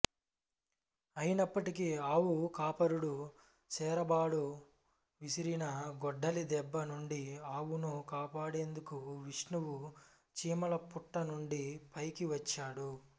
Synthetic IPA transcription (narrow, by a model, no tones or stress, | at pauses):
ɐjinɐpːɐʈikiaːwukaːpɐɾuɽu | sɛːɾɐbaːɽu | ʋisiɾinɐɡɔɖːɐlid̪ɛbːɐnuɳɖiaːwunukaːpaːɽe̞ːnd̪ukuʋiʂnuwu | t͡ʃiːmɐlɐpuʈːɐnuɳɖipɐjkiʋɐt͡ʃːaːɽu